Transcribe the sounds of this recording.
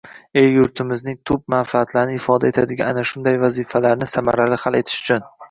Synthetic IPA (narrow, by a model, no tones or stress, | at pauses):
ejjʊɾt̪ʰɪmɪznɪŋt̪ʰʊb̚manfaat̪ʰlaɾɪnɪɪfɒd̪ae̞t̪ʰad̪ɪɡʲaa̰naʃʊnd̪ajvazɪfalaɾnɪsama̰ɾalɪhale̞t̪ʰɪ̥ʃʊ̥t͡ʃʰʊn